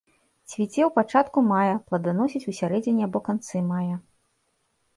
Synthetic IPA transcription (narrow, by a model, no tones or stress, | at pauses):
t͡sʲvʲit͡sʲɛwpat͡ʂat̪kumajɐplˠɐd̪anɔsʲit͡sʲusʲaɾɛd͡zʲinʲiabɔkant̪sɨmajɐ